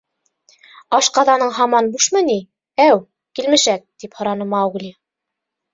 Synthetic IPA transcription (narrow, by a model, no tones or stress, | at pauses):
ɑʃqɑðɑnɤɴɦɑmɑnbuʃmɤ̆ni | æw | kilmɘ̆ʃæk̚t̪iphŏɾɑnɤ̆mɑːwɣlʲi